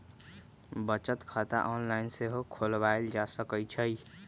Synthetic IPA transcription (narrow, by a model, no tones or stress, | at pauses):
bət͡ʃət̪kʰat̪a̰ʔɔːnlaɪnseɦokʰolbaeld͡ʒasəkəjt͡ʃʰəi